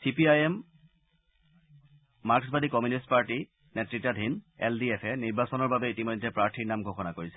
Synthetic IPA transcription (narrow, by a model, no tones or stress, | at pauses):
sipiajɛm | aɹksbadikɔmjunistpaɹti | netɹitːadʱineldiepʰɛniɹbasɔnɔɹbabɛitimɔjdːɛpɹaɹtʰiɹnamɡʱoxɔnakoɹisɛ̥